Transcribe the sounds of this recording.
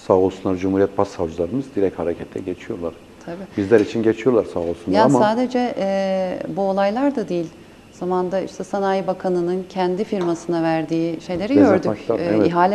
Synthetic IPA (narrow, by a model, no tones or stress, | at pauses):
saːolˠsunˠaɾd͡ʒumhuɾijɛt̪̚pʰasːavd͡ʒɯlˠaɾɯmɯzd̪iɾɛchaɾecʰɛt̪ʰlʲɛ̰ɟet͡ʃʰijo̞ɾlˠaɾ̥ | t̪ʰabiːbizlʲæɾit͡ʃʰinɟet͡ʃʰijo̞ɾlˠaɾsaːolˠsunˠjaɾasaːd̪e̞d͡ʒɛʔɛbuo̞lˠajlˠaɾd̪ad̪ijilʲ | z̥amand̪aḭʃt̪ʰɛsanajbakʰanɯnɯncʰɛnd̪ifiɾmasɯnavæɾd̪iːʃe̞jlʲe̞ɾiɟøɾd̪yciɦaːlʲɛ